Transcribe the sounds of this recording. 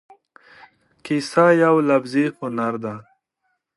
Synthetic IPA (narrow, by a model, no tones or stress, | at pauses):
kisajawlabzihʊnaɾd̪a